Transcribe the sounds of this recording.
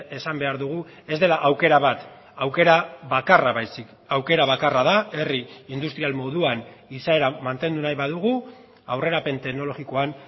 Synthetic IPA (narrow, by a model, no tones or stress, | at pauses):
e̞sambe̞aɾðuɣ̞ue̞zd̪e̞laʔawke̞ɾaβat̪ | awke̞ɾaβakaraβajsik | awke̞ɾaβ̞akaraðae̞riind̪ust̪ɾialmo̞ðuanisae̞ɾamant̪e̞nd̪unajβaðuɣu | awre̞ɾape̞nt̪e̞ɣno̞lo̞ɣiko̞an